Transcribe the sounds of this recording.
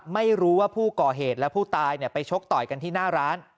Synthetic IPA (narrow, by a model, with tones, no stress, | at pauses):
ma˥˩jɾuː˦˥waː˥˩pʰuː˥˩kɔː˨˩ɦeː˨˩t̪̚lɛ˦˥pʰuː˥˩t̪aː˧jni˥˩ɐpa˧jt͡ɕʰo˦˥k̚t̪ɔː˨˩jka˧nt̪ʰiː˥˩naː˥˩ɾaː˦˥n